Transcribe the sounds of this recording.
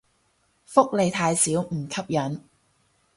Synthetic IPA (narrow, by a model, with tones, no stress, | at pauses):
fʊ˥k̚le˨˧jt̪ʰaː˧jsiː˨˥wm̩˨˩kʰɐ˥p̚jɐ˨˥n